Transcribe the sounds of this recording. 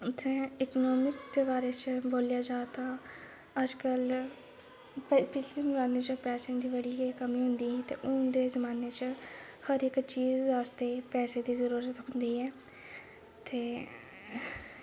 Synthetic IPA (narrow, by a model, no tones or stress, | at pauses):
t̪ʰẽːɪkonɔːmɪkd̪eːbaːɾeːt͡ʃboːljaːd͡ʒaːt̪ãː | əd͡ʒkəl | ppɪt͡ʃenʊɾaːneːt͡ʃəpɛːseãd̪iːʋəɽiːkəmĩːɦʊnd̪iːɦiːt̪ḛːʔʊd̪eːzəmaːneːt͡ʃhəɾɪkt͡ʃiːzʋaːst̪eːpɛːseːd̪iːzəɾuːɾət̪ɦʊnd̪iːɦɛː | t̪ʰeː